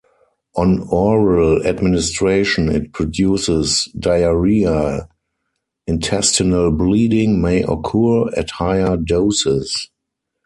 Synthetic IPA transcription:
ʔɔ̃nɔɹaladmɪnɪstɹeɪʃɔ̃nɪ̰t̚pʰɹɔdjuːsɪsdaɪəɹia | ɪ̃ntʰɛstɪnəlbliːdɪ̃ŋmeɪʔɔ̰kʰuɹɛ̰thaɪə˞doʊsɪs

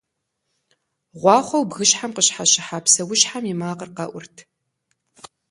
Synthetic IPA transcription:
ʁʷɑːχʷɔwbɣɨɕħamqəɕħaɕɪħapsɐwʊɕħamimaːqərqɐ̰ʔʷʊrtʰ

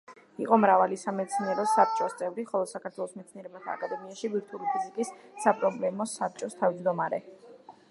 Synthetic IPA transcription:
iqʼɔmɾavalisamɛd̪sʰniɛɾɔsap̚t͡ʃʼɔst̪sʼɛvɾiχɔlˠɔsakʰaɾt̪ʰwɛlˠɔsmɛt̪sʰniɛɾɛbat̪ʰa̰ːkʼad̪ɛmiaʃibiɾt̪ʰulipʰizikʼisːapʼɾɔblɛmɔsap̚ʰt͡ʃʼɔst̪ʰavd͡ʒd̪ɔmaɾɛ

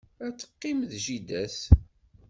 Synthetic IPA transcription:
æt͡sːə̥qːɪmðʒid̪æθ

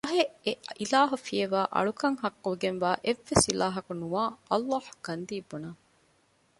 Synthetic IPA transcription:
ɐɦeeilaːɦufieʋaːʔɐ̰ɭukɐŋɦɐkːuɡenʋaːʔeʋːesilaːɦɐkunuʋaːʔɐlːɑːhɡ̥ɐnd̪iːbːunɐ

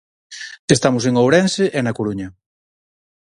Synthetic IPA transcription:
est̪amʊs̬eŋowɾɛnseʔɛnɐkoɾuɲɐ

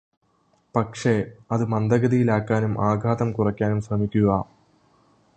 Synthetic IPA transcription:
pɐkʂe̞ɐðɨmɐnd̪ɐɣɐðijilaːkːaːnumʔaːɡʱaːðɐmkurɐkʲːaːnumɕrɐmikʲːuɣɐ

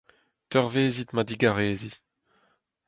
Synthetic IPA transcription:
t̪œʁveːzit̪mad̪iɡaʁeːzi

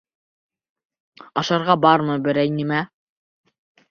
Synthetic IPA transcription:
ɑʃɑɾʁɑbɑɾmɤbɘ̆ɾæjnimæ

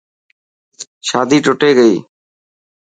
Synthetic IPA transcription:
ʃaːd̪ʱiːʈoʈeːɡəiː

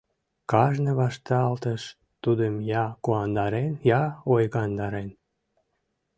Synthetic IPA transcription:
kɑʒneβɑʃt̪ɑlt̪əʃ | t̪ud̪əmjɑkuɑnd̪ɑɾenjɑojɣɑnd̪ɑɾen

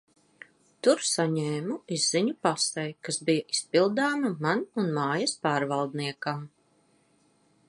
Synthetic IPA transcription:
t̪uɾsaɲeːmuizːiɲupasɛjkasbijaʔispilˠd̪aːmɐmanunmaːjɐspaːɾvalˠd̪niɛkam

